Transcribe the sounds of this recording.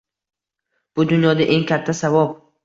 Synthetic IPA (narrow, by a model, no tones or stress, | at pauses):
b̥ʊd̪ʊnjɒd̪aʔe̞ŋkʰʲat̪ʰːasavɒb